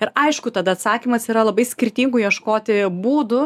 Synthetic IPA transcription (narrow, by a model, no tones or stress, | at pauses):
ɪɾɐɪʃkʊt̪ɐd̪ɐɐt̪sɑːkʲiːmɐsiːɾɐlˠɐbɐɪsʲkʲɪɾʲt̪ʲiːŋɡʊjiɛʃkoːt̪ʲɪbuːd̪ʊ